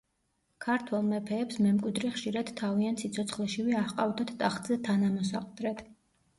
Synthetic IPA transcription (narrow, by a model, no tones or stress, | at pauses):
kʰaɾt̪ʰwɛlˠmɛpʰɛːpsmɛmkʼwid̪ɾɛχʃiɾad̪̥t̪ʰːaviant̪sit̪sʰɔt̪sʰχlɛʃiviahqʼavd̪at̪ʰt̪ʼaχt̪ʼzɛt̪ʰanamɔsaqʼd̪ɾɛt̪ʰ